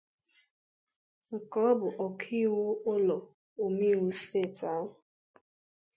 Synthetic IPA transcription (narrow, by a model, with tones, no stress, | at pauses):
ŋ̩˨kɔ˨˦bʊ˨ʔɔ˨kʰi˦˨wo˦ʊ˦lɔ˨ | o˨mi˦˨wu˦steː˦˨ta˨˦wʊ˨